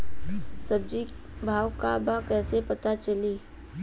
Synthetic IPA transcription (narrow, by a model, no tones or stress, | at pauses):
sɐb̚d͡ʒibʱaːʋkabakɛːsepɐt̪at͡ʃɐliː